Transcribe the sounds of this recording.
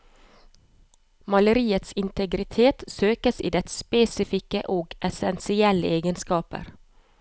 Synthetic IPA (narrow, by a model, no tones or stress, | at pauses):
mɑləɾiːət̪sɪnt̪əɡɾɪt̪ʰeːt̪søːkəsḭːd̪ɛt̪speːsɪfɪkə̰ʔoːɡʔɛsɛnsɪɛləeːɡənskɑːpə̰ɾ